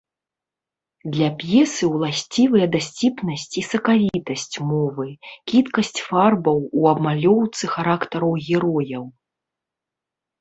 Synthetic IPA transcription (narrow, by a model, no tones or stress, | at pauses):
d̪lʲɐpʲjɛsɨwlˠasʲt͡sʲivɨjɐd̪asʲt͡sʲipnɐsʲt͡sʲisɐkavʲit̪ɐsʲt͡sʲmɔvɨkʲit̪kɐsʲt͡sʲfarbɐwuɐbmalʲɔwt̪sɨxaɾakt̪ɐɾɐwɣʲɛɾɔjɐw